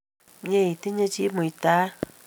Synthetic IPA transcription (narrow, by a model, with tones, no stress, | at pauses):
ɲẽ˦i˨t̪i˦ɲã˧t͡ʃi˦mõ˨i˧˨t̪a˦